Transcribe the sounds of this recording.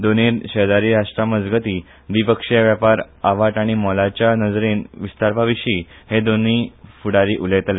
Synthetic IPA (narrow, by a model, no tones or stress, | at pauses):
d̪oniɕəd̪aɾiːɾaʂʈɾaməd͡zɡət̪iː | ʋipəkʂjaʋjapaɾ | aʋaʈ̪aɽ̃imɔlat͡ɕjanəd͡zɾenʋist̪aɾpaʋiɕiː | hed̪oniːfuɽaɾiːʔulet̪le